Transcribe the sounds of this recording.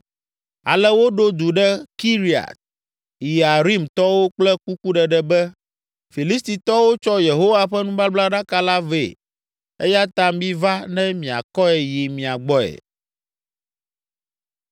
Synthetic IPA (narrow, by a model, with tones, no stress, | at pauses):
a̰˨lɛ˦wo˦ɖo˦d̪u˨ɖɛ˦ki˦ɾi˨a̰˨t̪̚ | i˨a˨ɾi˦mt̪ɔ˦wo˦k͡plɛ˦ku˦ku˦ɖɛ˨ɖɛ˦bɛ˦ | fi˨li˦st̪i˨t̪ɔ˦wo˦t͡ʃɔ˦je˨ɦo˦wa˨ɸɛ˦nũ˦ba˦bla˦ɖa˦ka˦la˦vḛ˨ | ḛ˦ja˦t̪a˦m˦bĩ˦va˦nɛ̃˦mĩ˨a̰˨kɔ˦ɛ˨ji˨mĩ˨a˨ɡ͡bɔ˦ɛ̰˨